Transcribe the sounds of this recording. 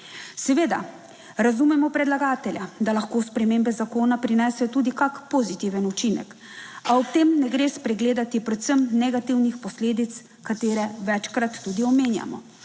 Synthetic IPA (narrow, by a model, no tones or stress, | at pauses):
sɛʋeːd̪a̰ | ɾazumɛmɔpɾɛd̪laɡaːt̪ɛljad̪alaxkoːspɾɛmeːmbɛzakoːnapɾinɛːsɛt̪uːd̪ikakpozit̪iʋɛnut͡ʃinɛ̰k | aɔp̚t̪eːmnɛɡɾeːspɾɛɡleːd̪at̪ipɾɛt̪səmnɛɡat̪iwnixpɔsleːd̪it̪s | kat̪eːɾɛʋɛt͡ʃkɾat̪ːuːd̪iɔmeːnja̰mɔ̰